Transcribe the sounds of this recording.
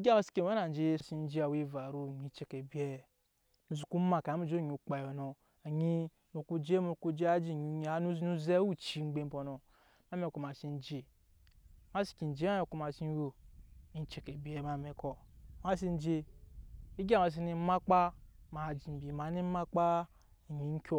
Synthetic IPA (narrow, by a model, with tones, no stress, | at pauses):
i˦ɡa˦ma˨si̥˦ke˨˦e˦na˨n˨d͡ʒe˦˨si˦n̩˦d͡ʒi˦a˨wi˦˨va˨ɾu˦˨ɲi˨˦t͡ʃe˨ke˨bi˨˦ɛ˦˨ | nu˨zu˨ku˦ma˨ka˨˦mu˦d͡ʒo˦˨ɲu˨k͡pa˨jo˨no˨ | a˨ɲi˦ | mo˨ku˦d͡ʒe˦mo˦˨ku˦d͡ʒe˦a˦d͡ʒi˦˨ɲu˨ɲ˨a˨˦nu˦nu˦ze˦u˦t͡ʃi˦ŋ͡m̩˦ɡ͡be˦m˦bo˨no˨ | ma˦me˨ko˨ma˨si˦n̩˦d͡ʒe˨ | ma˦si̥˨ki˨n̩˨d͡ʒe˦a˦o˨ku˦ma˨si˦n˦wo˦˨ɲi˨˦t͡ʃe˨ke˨bi˨˦e˦ma˨me˨ko˨ma˦s̬i˦n̩˦d͡ʒe˦ | i˦ɡa˦˨ma˨s̬i˦ni˨˦ma˦k͡pa˦ma˨d͡ʒi˨m̩˨bi˨ma˨˦ni˦ma˦k͡pa˦ | a˨ɲi˨˦ŋ̩˦kʲo˦